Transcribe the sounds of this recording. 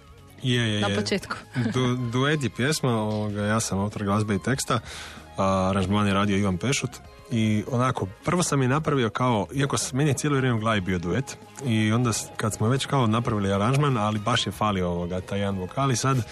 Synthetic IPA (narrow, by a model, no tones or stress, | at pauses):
jejejnaepot͡ʃeːt̪ku̥d̪ud̪uet̪̬jepjesmaoʋoɡajaːsamout̪oɾɡlˠazbeit̪e̞kst̪a | aɾanʒmaːnjeɾaːd̪io̞iʋanpe̞ʃut̪ | ionako̞pr̩ʋo̞samjenapɾaʋio̞kao̞iakomnijet̪jeloʋɾemeɡlˠaːʋibio̞d̪uet̪ | io̞nd̪akad̪smoʋe̞t͡ɕkaonapɾaʋiliaɾanʒmanalibaʃjefaːliooʋoɡat̪aːjed̪anʋokʰaːlisad̪